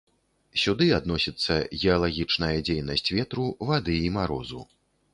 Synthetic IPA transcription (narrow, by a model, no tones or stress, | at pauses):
sʲud̪ɨad̪nɔsʲit̪sːɐɣʲɛalˠaɣʲit͡ʂnɐjɐd͡zʲejnɐsʲt͡sʲvʲɛt̪ɾuvad̪ɨimaɾɔzṵ